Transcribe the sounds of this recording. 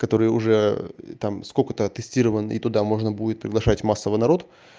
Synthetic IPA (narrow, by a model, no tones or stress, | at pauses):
kɐt̪o̞ɾɨjʊʐɛt̪amskokət̪ət̪ɨsʲtʲiɾəvənḭt̪ʊd̪amo̞ʐnəbudʲɪt̪̚pɾʲɪɡlˠɐʂatʲmasːəvənɐɾo̞t̪